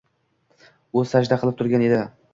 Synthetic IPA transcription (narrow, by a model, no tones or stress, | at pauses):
ʊ̥sad͡ʒd̪aqʰɨlˠɪp̚t̪ʰʊɾɡʲane̞d̪ɪ